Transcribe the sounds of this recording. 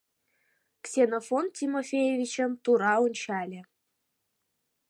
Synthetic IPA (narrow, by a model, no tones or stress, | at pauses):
ksʲenofontʲimofʲejevʲit͡ɕə̆mt̪uɾɑunʲt͡ɕɑlʲĕ